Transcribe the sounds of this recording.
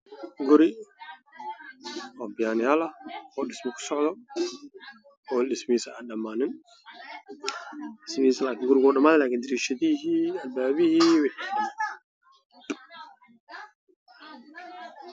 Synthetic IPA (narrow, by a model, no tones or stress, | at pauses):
ɡʊɾɪ | ɔbɪjaːnɪjaːlɐɔːɗɪsmɪkʰʊ̥sɔʕðɔ | ɔːɗɪsmiːsɐaɗɐmaːnɪn | ɪsmiːsɐlaːkɪnɡʊɾɪɡɔːɗɐmaːlɛlaːkind̪ɪɾiːʃɐðiɦiːɐlbaːβɪhiwɛħ